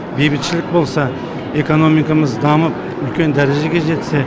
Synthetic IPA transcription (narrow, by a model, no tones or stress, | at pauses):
bejbɪt̪ʃɪlɪk̚ʲbo̞lˠsɑ | e̞ko̞no̞mijkɑməzd̪ɑməp̚ | ʏlkʲe̞nd̪æɾeʒe̞ɡʲe̞ʒe̞t̪se̞